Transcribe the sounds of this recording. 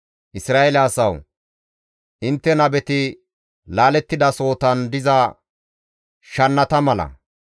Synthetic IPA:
ʔɪsɾaːelaːsɐw | ʔɪnt̪ːɛnɐbɛt̪ɪ | laːlɛt̪ːɪd̪ɐso̞ːt̪ɐnd̪ɪzɐ | ʃɐnːɐt̪ɐmɐlɐ̰

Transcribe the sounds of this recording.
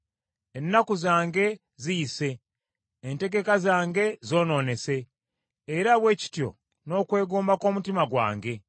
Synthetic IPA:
enːakuzaːŋɡe̞ | zise̞ː | nte̞ɡe̞kazaːŋɡe̞zo̞ːno̞ːne̞se̞ː | ɾaβwe̞ːci̥tjo̞̰ | no̞kwe̞ːɡoːmbako̞ːmutimaɡwa̰ːŋɡe̞

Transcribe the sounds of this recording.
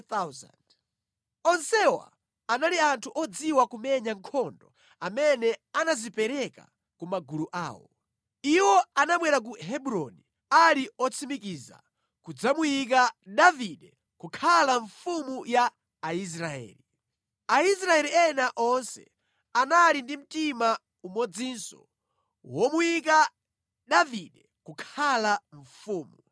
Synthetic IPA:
t̪aza̰nd | ɔnsɛwa̰ | analiantʰuʔɔd͡ziwakumɛɲaŋkʰɔndɔ | amɛnɛanazipɛɾɛka̰ | kumaɡuluʔa̰ːwɔ̰ | iwɔanaɓwɛɾak̬uɦɛbuɾɔni | aliɔt͡sʰimikiza̰ | kud͡zamujik̬aɗaviɗɛ | kukʰalaɱfumujaː | is̬ɾaɛ̰ːli | ais̬ɾaɛliɛnaʔɔnsɛ̰ | analindim̩tima | umɔd͡ziːnsɔ̰ | wɔmujik̬a | ɗaviɗɛ | kukʰalaɱ̩fuːmu

